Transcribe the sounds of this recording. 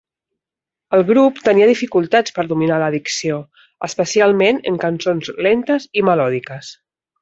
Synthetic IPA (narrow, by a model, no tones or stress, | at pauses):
əlˠɣɾupt̪əniəðifikulˠt̪at͡spəɾðuminaləːðiksio | əspəsialˠmenə̰ŋkənsonzlent̪əziməlɔðikəs